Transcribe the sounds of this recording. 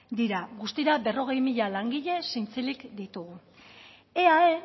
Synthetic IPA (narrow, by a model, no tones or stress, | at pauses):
d̪iɾaɣust̪iɾabe̞ro̞ɣ̞e̞jmiʎalaŋɡiʎe̞sint͡selikd̪it̪uɣu | e̞ae